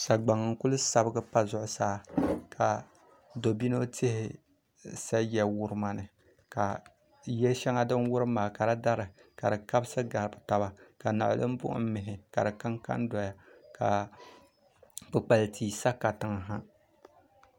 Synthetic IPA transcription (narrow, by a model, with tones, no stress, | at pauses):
sa˨ɡ͡ba˨ŋɨ˨ŋ̩˦kʊ˦lʊ˦sa˨bɨ˦ɡɨ˦pa˦zʊ˦˨ʔʊ˦saː˦kʰa˨ | do˨bi˦no˦tʰe˦hɪ˨ | sa˦jɛ˨wʊ˦˨ɾɨ˦ma˨nɨ˨ | ka˨ | jɛ˦lʃɛ˦ŋa˦dɨ˦nwʊ˦ɾɨ˦maː˨ka˨da˦da˦ɾɨ˨ka˨dɨ˨ka˦bsɨ˦ɡa˨ɾɨ˨bɨ˨ta˨ba˨ka˨na̰˨ʔlɨ̰˦m˦bʊ̰˦ʔʊ̰˦m̩˦mɪ˨ɦɪ˨ka̰˨ɾɨ˨ka˦ŋka̰˦ndɔ˨ja˨ka˨ | pɨ˨k͡pa˨lɨ˨tʰiː˨sa˦ka˨tɨ˨˦ŋ˨ɦa˦